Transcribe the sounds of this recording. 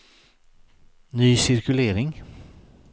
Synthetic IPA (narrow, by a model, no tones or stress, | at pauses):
nyːsɪɾkɵleːɾɪŋ